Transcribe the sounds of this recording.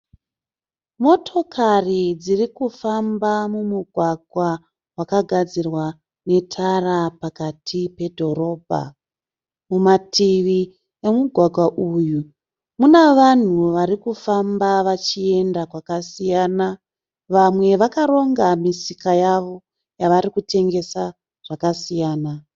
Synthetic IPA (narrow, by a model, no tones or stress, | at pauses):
mo̞tʰo̞kʰarid͡zirikufambamumuɡʱwaɡʱwa | wakaɡʱad͡zirwa | ne̞tʰarapakatʰipe̞dʱo̞ɾo̞ːbʱa̰ | mumatʰiʋi | e̞muɡʱwaɡʱwaʔuju | muneʋan̤uʋaɾikufambaʋat͡ʃie̞ndakwakasijaːna | ʋamwe̞ʋakaɾo̞ŋɡamisikajaʋo̞ | jaʋaɾikute̞ŋɡe̞sa | ʐ̥akasijaːna